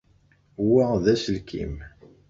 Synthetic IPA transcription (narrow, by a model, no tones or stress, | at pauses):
wæðæsəlkʰḭm